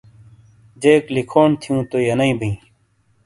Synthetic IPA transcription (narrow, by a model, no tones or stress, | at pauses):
d͡ʑeːklikʰoːnt̪ʰijũːt̪ojɐnɐĩːbʱĩː